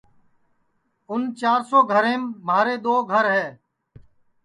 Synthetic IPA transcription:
ʊnt͡ʃaːɾsoːɡʱəɾẽːmːaːɾeːd̪oːɡʱəɾɦɛː

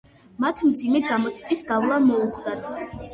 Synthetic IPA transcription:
mat̪ʰmd̪zimɛɡamɔt̪sʰi̥t̪ʼisɡavlˠamɔuχd̪at̪ʰ

